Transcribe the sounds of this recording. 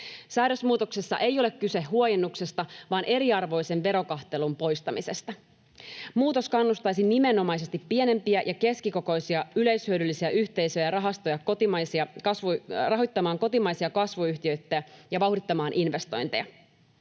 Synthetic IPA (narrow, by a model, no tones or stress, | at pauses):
sæːɾø̞smuːt̪o̞ksesːɑ̰ʔejo̞le̞kkːyse̞hːuojenːukse̞st̪ɑʋɑːnʔe̞ɾiɑrʋo̞jse̞nʋe̞ɾo̞kɑxt̪e̞lumpo̞jst̪ɑmise̞st̪ɑ | muːt̪o̞skɑnːust̪ɑjsinːime̞nːo̞mɑjs̬e̞st̪ipːie̞ne̞mpiæjʔɑke̞skiko̞ko̞jsiɑyle̞jshyødylːisiæʔyçt̪e̞jsøjɑrɑɦɑst̪o̞jɑkot̪iɑsiɑkɑsʋurɑɦo̞jt̪ːɑmɑːŋko̞t̪imɑjsiɑkɑsʋuyçt̪iø̞ɥt̪ːææjɑʋɑwdit̪ːɑmɑːnʔinʋe̞st̪o̞̰jnt̪ejɑ̰